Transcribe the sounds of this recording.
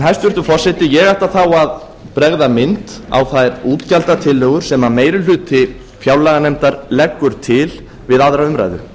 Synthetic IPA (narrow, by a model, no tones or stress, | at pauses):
nɦaj̥st̪vʏɾt̪ʏfɔr̥sɛt̪ɪjɛɣajht̪aθawað | pɾɛɣðamɪnt̪a̰wθajɾuːt̪calt̪at̪ʰɪlːœɣʏɾ̥sɛmameːjɾʏlʏːt̪ʰːɪ | fjawlaɣanɛmt̪aɾlɛkːʏɾ̥t̪ʰɪl | vɪðaðɾaʏmɾa̰jðʏ̰